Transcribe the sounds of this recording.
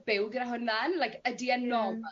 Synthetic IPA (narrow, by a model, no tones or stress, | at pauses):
b̥ɪwɡnaɦʊnanlajkədiənːɔ